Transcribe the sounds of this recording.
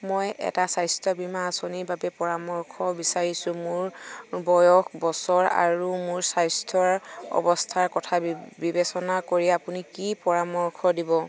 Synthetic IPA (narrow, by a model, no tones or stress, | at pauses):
mojɛ̰tasajstʰɔbimaːsoniɹbabɛpɔɹamɔɹkʰɔbisaɹisʊ̃mʊɹbɔjɔkbɔsɔɹa̰ɹumʊɹsajstʰɔɹɔ̰bɔstʰaɹkɔtʰabibesɔnakoɹiapunikipɔɹamɔɹkʰɔdibɔ